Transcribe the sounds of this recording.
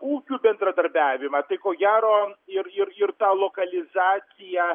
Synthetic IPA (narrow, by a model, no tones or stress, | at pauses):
kuːkʲuːbʲɛnd̪ɾɐd̪ɐɾʲbʲæːʋʲɪmɐt̪ɐɪkoːɡʲæːɾoːɪɾɪɾɪrt̪ɑːlˠoːkɐlʲɪzɑːt̪sʲɪjɛ